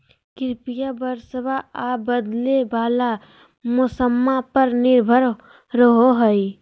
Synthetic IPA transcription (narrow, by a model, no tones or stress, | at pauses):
kɪɾpijabəɾsəbʱaabəd̪lebaːla | mʊsəmːapəɾnɪɾbʱəɾ | ɾəɦoɦəi